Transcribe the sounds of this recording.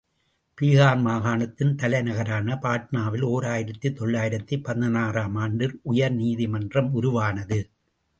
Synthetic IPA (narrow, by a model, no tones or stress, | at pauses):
piːɣaːnmaːɣaːɳɐt̪ːɪnt̪ɐlɐɪnɐɣɐɾaːnɐpaːʈ̚naːʋɪloːɾaːjɪɾɐt̪ːit̪ːɔɭːaːjɪɾɐt̪ːipːɐðɐnaːraːmaːɳɖɪɾʊjɐɾniːðimɐndrɐmʊɾʊʋaːnɐðɯ